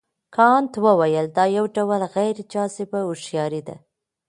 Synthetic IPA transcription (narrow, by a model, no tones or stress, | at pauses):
kʰɑnt̪wəwajəld̪ɑjawɖawəlɣajɾd͡ʒɑsɪbaʊʃjɑɾid̪a̰